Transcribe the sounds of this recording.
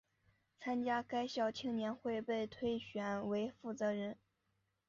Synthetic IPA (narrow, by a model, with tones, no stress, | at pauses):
t͡sʰa˥nt͡ɕja˥ka˥ɪɕjɑ˥˩ʊt͡ɕʰi˥ŋnjɛ˧˥nxwe˥˧ɪpe˥˩˧ɪt̪ʰwe˥ɪɕɥɛ˧˥nwe˧˥ɪfu˥˩t͡sɤ˧˥ɻə˧˥n